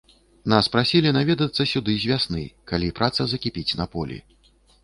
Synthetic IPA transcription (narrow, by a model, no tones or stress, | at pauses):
naspɾasʲilʲinavʲɛd̪ɐt̪sːɐsʲud̪ɨzʲvʲasnɨkalʲipɾʔat̪sɐzɐkʲipʲit͡sʲnɐpɔlʲḭ